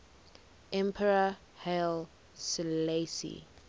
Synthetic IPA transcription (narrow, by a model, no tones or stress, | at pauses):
ʔɛ̃mpʰɛɹa | hel | silesḭ